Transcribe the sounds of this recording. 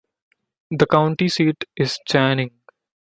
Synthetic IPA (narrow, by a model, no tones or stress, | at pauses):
d̪əkãʊ̃ɳʈisiːʈɪz̥t͡ʃæːnɪ̃ŋɡ